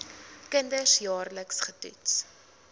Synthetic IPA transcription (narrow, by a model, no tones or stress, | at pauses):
kəndəsjɑːrləksχətṵts